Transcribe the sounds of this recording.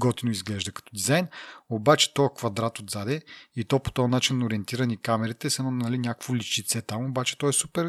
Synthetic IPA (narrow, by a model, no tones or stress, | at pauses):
ɡɔt̪inoizɡlɛʒd̪ɐkɐ̥t̪ɔd̪izajnobat͡ʃɛ̥t̪ɔkvɐd̪ɾat̪od̪zad̪ɛit̪ɔpo̥t̪ɔnat͡ʃinːoɾiɛnt̪iɾɐnikamɛɾit̪ɛsɐnɔnɐlinʲakəkvoliʃt͡ʃ̪it̪sɛt̪amobat͡ʃɛ̥t̪ɔɛsupɛɾ